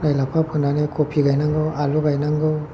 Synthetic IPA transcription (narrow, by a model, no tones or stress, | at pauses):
najlapʰapʰunanekʰopʰiɡajnaŋɡɯwaluɡajnaŋɡɯw